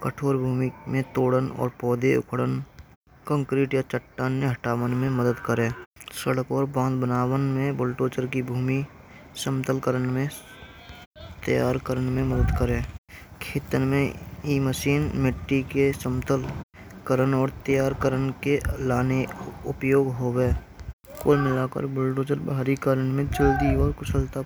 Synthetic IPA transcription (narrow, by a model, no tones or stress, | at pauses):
kəʈʰoːɾbʱuːmimẽt̪oːɽənɔ̰ːɾpɔːd̪eʊ̰kʰɽən | kə̃ŋkɾiːʈjat͡ʃəʈːaːnːeɦəʈaːʋənmẽməd̪əd̪kəɾẽːsəɽəkɔːɾbãːnd̪bənaːwənmẽbolʈoːt͡ʃəɾkibʱuːmi | sə̃mt̪əlkəɾəɳmẽ | t̪əjaːɾkəɾənmẽməd̪əd̪kəɾẽːkʰeːt̪ənmẽiːməʃiːnmɪʈːikesəmt̪əlkəɾənɔːɾt̪əjaːɾkəɾənkelaːneʊpjoːɡɦoːweː | kolmɪlaːkə̰ɾbʊlʈoːt͡ʃəɾbaːɾikaɾənmẽt͡ʃəld̪iɔːɾkʊsəlt̪a